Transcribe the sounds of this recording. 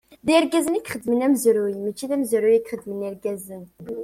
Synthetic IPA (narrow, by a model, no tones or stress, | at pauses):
ðiɾɡæzənikχəd̪ːmənæmzɾujmæt͡ʃːiðæmzɾujikχəd̪ːməniɾɡæzən